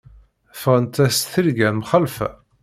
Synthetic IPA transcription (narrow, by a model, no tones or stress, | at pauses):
fʁənt̪æst̪θiɾɡænmχəlfæ̰